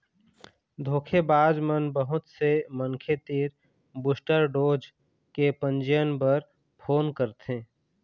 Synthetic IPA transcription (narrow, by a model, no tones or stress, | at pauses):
d̪ʱoːkʰebaːd͡ʒmənbəɦʊt̪seməŋkʰet̪iːɾ | bʊsʈəɾɖoːd͡ʒ | kepə̃nd͡ʒəjənpəɾ | pʰoːnkəɾt̪ẽː